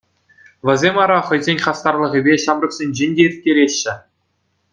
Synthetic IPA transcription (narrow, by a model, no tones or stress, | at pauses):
ʋʲɘ̆zʲemʲɑɾɑχɤ̆jzʲenʲχɑst̪ɑrlˠɤ̆ʁʲibʲeɕɑmrɤ̆ksʲenʲd͡ʑenʲdʲeirʲt̪̚ʲkʲeɾʲeɕːɘ̆